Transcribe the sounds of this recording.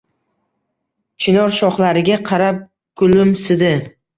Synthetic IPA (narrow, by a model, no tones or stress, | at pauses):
t͡ʃʰɪnɒɾʃɒχlaɾɪɡʲaqʰɑɾap̚ | ɡ̥ʊlɪmsɪd̪ɪ